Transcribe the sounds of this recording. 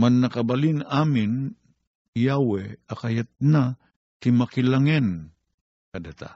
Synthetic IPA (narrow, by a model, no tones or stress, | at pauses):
manːakabalinamɪn | jawɛakajat̪̚na | t̪imakilaŋɛn | kad̪at̪a̰